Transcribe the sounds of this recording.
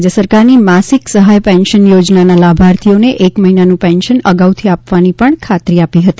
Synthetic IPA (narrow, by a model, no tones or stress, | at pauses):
d͡ʒəsəɾkaɾnimasiksəɦajpɛnʃənjod͡ʒnanalabʱaɾt̪ʰioneʔekməɦinanũpɛnʃənəɡaʋut̪ʰiapʋanipəɳkʰat̪ɾiapiɦət̪i̥